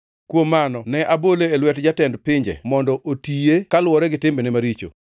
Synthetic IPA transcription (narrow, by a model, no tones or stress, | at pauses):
kwomːanɔnɛʔaboleːlwɛtd͡ʒatɛndpɪɲd͡ʒɛ̰mɔndɔʔotijekalwɔɾɛɡɪtɪmbenɛmaɾit͡ʃo̰